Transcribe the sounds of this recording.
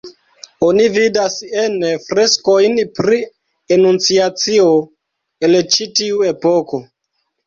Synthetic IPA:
onividasenfɾe̞sko̞jnpɾi | enunt͡siat͡sio | elt͡ʃitiuepoko̞

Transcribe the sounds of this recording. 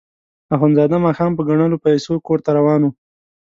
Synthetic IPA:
axwanzɑd̪amɑxɑmpəɡaɳ̃əlopajsokoɾt̪aɾawɑːnu

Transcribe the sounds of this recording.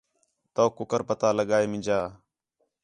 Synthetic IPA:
t̪oːkʊkəɾpət̪aːləɠaːeːmɪ̃d͡ʒaː

